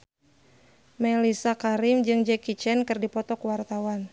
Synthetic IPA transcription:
mɛlisakaɾɪmd͡ʒɨŋd͡ʒɛkit͡ʃɛnkɨrdipɔt̪ɔkwart̪awan

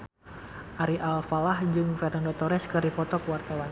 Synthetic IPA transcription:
ʔaɾiʔalfalahd͡ʒɨŋfɛrnandot̪ɔɾɛskɨɾipɔt̪ɔkuwart̪awan

